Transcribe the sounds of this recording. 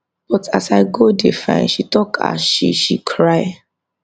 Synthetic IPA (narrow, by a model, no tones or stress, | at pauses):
b̥ɔtasaɪɡodefã̰ɪ̃nʃitɔkʰa̰ʃḭʃikʰɹaɪ